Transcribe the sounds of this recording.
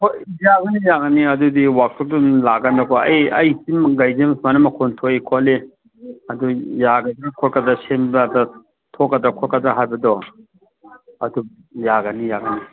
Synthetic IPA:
kʰozaɡɐnijaɡɐniɐdudiwak̚tʰɔk̚dunlaɡɐndɐkɔɐ̰jɐjsimɡajzemsmanɐmɐkʰɔntʰoikʰɔli | ɐdujaɡɐzekʰɔkɐdɐsembadɐ | tʰɔkːɐdɾɐkʰɔtkɐdɾaɦajbɐdɔ | ɐdu | jaɡɐnijaɡɐni

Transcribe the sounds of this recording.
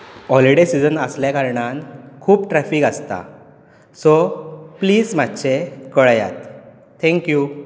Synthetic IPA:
ɔliɽesid͡zənəsljakaɾɳankʰuːpʈɾɛfikast̪a̰ | sɔpliːd͡zmat̪ːɕekəɭja̰t̪ːʰ | ɛ̃ŋkju

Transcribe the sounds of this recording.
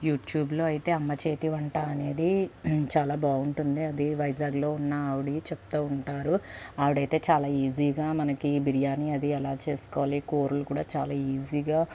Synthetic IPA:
juːʈjuːblo̞ːɐjit̪e̞ːɐmːɐt͡ʃe̞ːt̪iʋɐɳʈaːɐne̞ːd̪it͡ʃaːlaːbaːuɳʈund̪iɐd̪iʋɐjd͡ʒaːɡlo̞ːunːaaːʋiɽit͡ʃɛp̚t̪oːuɳʈaːɾuaːʋiɽɐjt̪e̞ːt͡ʃaːlaːiːziːɡaːmɐnɐkibiɾijaːniɐd̪iɛlaːt͡ʃe̞ːsu̥kɔːʋaliːkoːɾulukuːɽaːt͡ʃa̰ːlaːiːziːɡaː

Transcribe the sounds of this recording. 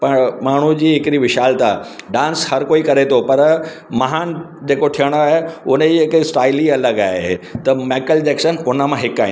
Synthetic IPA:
pɐmaːɳ̤ud͡ʑiːɦɪkɾiʋɪʃaːlt̪a̰ːɖãːnshɐɾkoːikɐɾet̪ʰopɐɾ | mɐɦaːn | d͡ʑeːkot̪ʰijəɽ̃oaːɦeʊneɦɪksʈaːɪliɐləɡaːɦet̪ɐmeːkəld͡ʑeːkʃənʊnə̆mãɦɪkaːĩː

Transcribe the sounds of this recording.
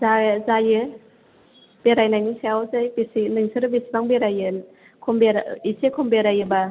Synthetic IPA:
zazajɯ | b̥eɾajnajniseawzajbesinɯŋsɯɾɯbesibaŋbeɾajɯn | kʰɔmbeɾisekʰɔmbeɾajɯba

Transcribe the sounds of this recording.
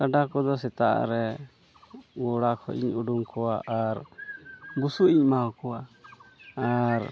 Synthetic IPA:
kaɖakɔd̪ɔsɛt̪a̰ʔa̰ɾɛ | ɡɔɽakʰɔʔḭɲuɖuŋkɔwaʔaɾ | busuiɲmaɔkɔwa | aɾ

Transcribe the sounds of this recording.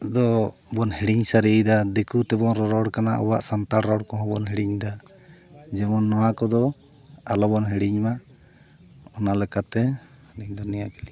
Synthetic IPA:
d̪ɔbɔnhiɽiɲsaɾijd̪ad̪ɛkut̪ɛbɔnɾɔɾɔɽkana̰ʔɔ̰waʔsant̪aɽɾɔɽkɔɦɔ̃bɔnɦɛɽiɲd̪a | d͡ʒɛmɔnːɔwakɔd̪ɔ | alɔbɔnɦɛɽiɲma | ɔnalɛkat̪ɛ | niɲd̪ɔnijakili

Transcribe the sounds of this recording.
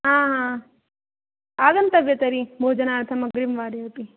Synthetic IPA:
ɦãːɦãː | aːɡɐnt̪ɐbjɐt̪ɐɾibʱoːd͡ʒɐnaːɾt̪ʰɐmɐɡɾimʋaːɾjɐpi

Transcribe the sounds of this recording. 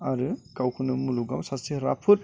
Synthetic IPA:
aɾɯkawkʰunɐmuluɡamsasiɾa̰pʰuɾ

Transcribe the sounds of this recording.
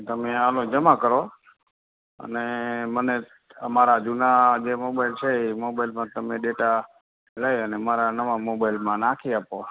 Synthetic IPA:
t̪əmealõd͡ʒəmãkəɾo | ə̰neməne | əmaɾad͡ʒunad͡ʒemobailt͡ʃʰeimobailmãt̪əmẽɖeʈa | ləjənemaɾanəʋamobaɪlmãnakʰiapo

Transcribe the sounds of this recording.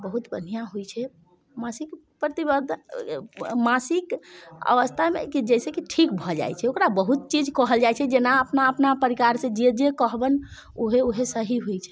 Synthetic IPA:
bəɦut̪bən̤ijaɦujt͡ʃʰɛ | masik | pɾət̪ibəd̪ʱ | masikə̰ʋəst̪ʰamḛkid͡ʒɛjsekiʈʰikbʱɔd͡ʒa̰jt͡ʃʰɛokɾabəɦut̪̚t͡ʃid͡ʒkəɦəld͡ʒajt͡ʃʰɛd͡ʒenaəpnaəpnapəɾikaɾsẽd͡ʒid͡ʒekəɦbən | oɦeoɦesəɦiɦujt͡ʃʰɛ̥

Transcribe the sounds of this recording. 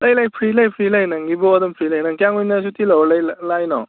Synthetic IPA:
ləjlajpʰɾilajpʰɾilajnaŋɡiboɔd̪ʌmpʰɾilajnaŋkʲaŋunas̬ut̪iləwɔlajllajnɔ̰

